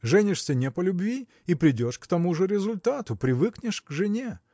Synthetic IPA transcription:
ʐɛnʲɪʂsʲənʲepəlʲʊbvʲi | ipɾʲɪdʲo̞ʂkt̪ɐmuʐɨɾʲɪzʊlʲt̪at̪ʊpɾʲɪvɨknʲɪʂkʐɨnʲe

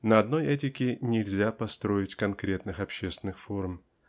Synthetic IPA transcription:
nəɐd̪no̞jɛtʲɪkʲɪnʲɪlʲzʲapɐst̪ɾo̞ɪtʲkɐnkɾʲe̞t̪nɨxɐpɕːest̪ʲɪnːɨxfo̞rm

